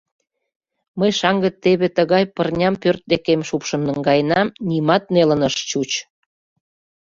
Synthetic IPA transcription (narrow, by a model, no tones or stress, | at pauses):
məjʃɑŋɡə̆t̪ːeβet̪əɣɑjpərnʲɑmpørt̪̚d̪ekemʃupʃə̆nːəŋɡɑjnɑmnʲimɑt̪̚nelə̆nəʃt͡ɕut͡ɕ